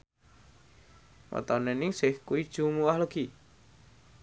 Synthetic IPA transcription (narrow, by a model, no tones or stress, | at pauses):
wɔ̰t̪ɔnɛnɪŋsɪhkuwid̥ʒ̥umuwahləɡ̥i